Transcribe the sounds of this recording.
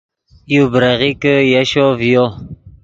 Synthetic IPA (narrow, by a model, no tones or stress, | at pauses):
jubɾaɣikəjaʃovijo